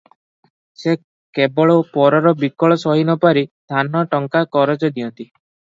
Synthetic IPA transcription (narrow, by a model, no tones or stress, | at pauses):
se | kebɔɭɔpɔɾɔɾɔbikɔɭɔsɔɦinɔpaɾid̪ʱanɔʈɔŋkakɔɾɔt͡ʃɔd̪iɔnt̪i